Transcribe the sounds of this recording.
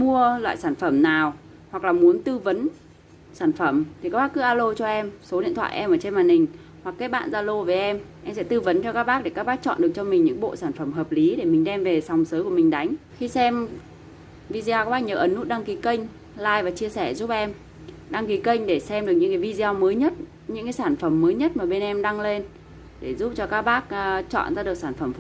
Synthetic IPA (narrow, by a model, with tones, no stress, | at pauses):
mu˧əlwa̰ː˧˨jsaː˧˩nfə˧˩mnaː˨˩w | hwa˨˩k̚laː˨˩mu˨˦ənt̪ɨ˧və˨˦n | saː˧˩nfə˧˩mt̪ʰi˨˩ka˦k̚ɓaː˦˥kɨ˨˦ʔaː˧lo˧t͡ɕɔ˧ʔɛ˧mso˨˦ɗḭ˧˨ənt̪ʰwa̰ː˧˨ʔɛ˧mʔəː˧˩t͡ɕe˧nmaː˨˩nhï˨˩ŋ̟ | hwa˨˩kːaː˨˦jɓa̰ː˧˨nzaː˧lo˧ve˨˦ʔɛ˧mʔɛ˧msɛ̰˧˥t̪ɨ˧və˨˦nt͡ɕɔ˧kaː˦˥k̚ɓaː˦˥ɗe˧˩kaː˦˥k̚ɓaː˦˥k̚t͡ɕɔ̰˧˨nɗɨ˨˩ək̚t͡ɕɔ˧mï˨˩ŋ̟ɲɨ̰˧˥ŋɓo̰˧˨saː˧˩nfə˧˩mɦəː˨˩p̚li˨˦ɗe˧˩mï˨˩ŋ̟ɗɛ˧mve˨˩sa˨˩wŋ͡msəː˨˦ku˧˩əmï˨˩ŋ̟ɗa˨˦jŋ̟xi˧sɛ˧m | vi˧zi˧a˧kːɓaː˦˥ɲəː˨˩ʔə˨˦nːu˦˥t̚ɗa˧ŋki˨˦kə˧jŋ̟ | laː˧˩jvaː˨˩t͡ɕi˧əsɛ˧˩zu˦˥p̚ʔɛ˧m | ɗa˧ŋki˨˦kə˧jŋ̟ɗe˧˩sɛ˧mɗɨ˨˩ək̚ɲɨ̰˧˥ŋkaː˨˦jvi˧zi˧a˧wməː˨˦jɲə˦˥t̚ | ɲɨ̰˧˥ŋkaː˨˦jsaː˧˩nfə˧˩mːəː˨˦jɲə˦˥t̚maː˨˩ɓe˧nʔɛ˧mɗa˧ŋle˧n | ɗe˧˩zu˦˥p̚t͡ɕɔ˧kaː˦˥k̚ɓaː˦˥k̚ːt͡ɕɔ̰˧˨nzaː˧ɗɨ˨˩ək̚saː˧˩nfə˧˩m